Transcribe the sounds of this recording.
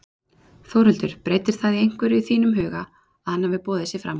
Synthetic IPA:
θowɾʏlt̪ʏɾ̥pɾejt̪ɪɾ̥θaðiejŋ̥kvɛɾɪyθiːnʏmɦœːɣa | aðhanːavɪpɔːðɪsjɛfɾa̰m

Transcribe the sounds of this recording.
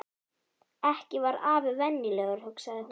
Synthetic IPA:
ɛhcɪvaɾaːvʏvɛnːilɛɣʏɾ̥hœksaɣðɪh

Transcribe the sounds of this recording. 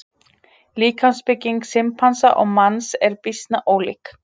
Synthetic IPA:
liːkʰanspɪcːiŋksɪmpʰansaʔɔɣmansɛɾpɪst̪naʔoːwlḭk

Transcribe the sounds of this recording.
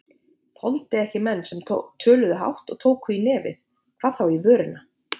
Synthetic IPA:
θɔlt̪ɪɛhcɪmɛnːsɛmt̪ʰœːlʏðʏɦa̰wht̪ɔ̰ɣt̪ʰoːwkʏinɛːvɪ̰θ | kʰv̥aːðθawivœːɾɪna

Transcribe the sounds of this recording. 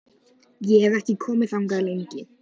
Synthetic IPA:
jɛhɛvɛhcɪkʰɔːmɪθawŋkaðlejɲcɪ

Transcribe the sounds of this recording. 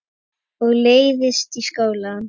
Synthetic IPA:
ɔɣleːjðɪst̪iskaːwlan

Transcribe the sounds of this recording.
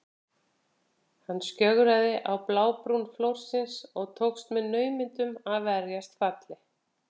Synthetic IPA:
hanːscœɣɾaðɪʔawplaːwpɾunflowr̥sɪnsɔɣt̪ʰowkst̪mɛðnœːɥmɪnt̪ʏmaðvɛɾjast̪fat̪lɪ

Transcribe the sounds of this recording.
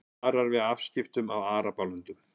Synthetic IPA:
ɾaɾvɪðafscɪft̪ʏmawaːɾapawlʏnt̪ʏm

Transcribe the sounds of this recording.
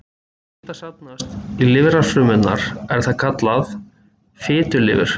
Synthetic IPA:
ɛt̪asap̚nast̪ilɪvɾḁfɾʏːmɪnnaɾ̥ɛɾ̥θaðkʰat̪lað | fɪːt̪ʏlɪ̰ːvɪ̰ɾ̥

